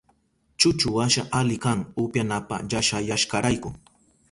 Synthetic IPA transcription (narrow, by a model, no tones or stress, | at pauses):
t͡ʃʊt͡ʃʊwaʃaʔalɪkaŋʊpjanapa̰ʎaʃajaʃkaɾajkʊŋ